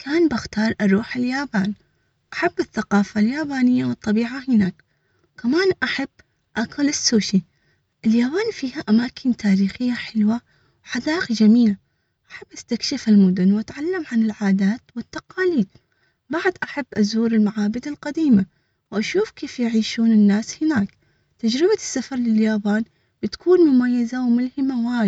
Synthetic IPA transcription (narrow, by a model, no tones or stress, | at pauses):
kʰaːnbɪxt̪ɑːɾˤʔɑɾˤuːħɪljaːbaːn | ʔaħabːɪθːaqɑːfaljaːbaːnɪjːawɨt̪ˤːɑbiːʕahɪnaːk | kamaːnʔaħab̥ː | ʔakʊlɪsːuːʃi | ʔɪljaːbaːnfiːhaʔamaːkʰɪnt̪ʰaːɾiːxɪjːaħɪlwa | wħad̪aːʔɪqd͡ʒamiːla | ʔaħabːʔast̪akʃɪfɪlmʊd̪ʊnwʔat̪ʕalːamʕanɪlʕaːd̪aːt̪wɪt̪ːaqɑːliːd̪̚ | baʕd̪ʔaħabːʔazuːɾɪlmaʕaːbɪd̪ɪlqad̪iːma | wʔaʃuːfkeːfjɪʕiːʃuːnɪnːaːshɪnaːk | t̪ad͡ʒɾɪbasːafɑɾˤlɪljaːbaːn | b̥ɪt̪ḁkʰuːnmʊmajːazawmʊlhɪmawaː